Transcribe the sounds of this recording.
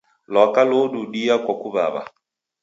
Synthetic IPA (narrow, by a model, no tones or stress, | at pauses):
lɔkaloduɗiakwakuβa̰βa̰